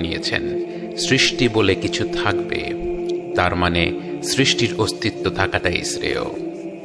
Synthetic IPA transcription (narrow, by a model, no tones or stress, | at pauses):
nijḛt͡ɕʰḛn | sɾiʃʈibolekit͡ɕʰut̪ʰakbḛt̪aɾmanesɾiʃʈiɾost̪it̪ːod̪ʱakaʈaj̰sɾḛo̰